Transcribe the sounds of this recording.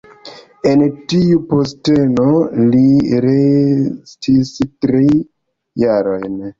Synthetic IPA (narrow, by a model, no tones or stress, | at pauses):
entiupostenoliɾestʰistɾi | jaɾo̞̰jn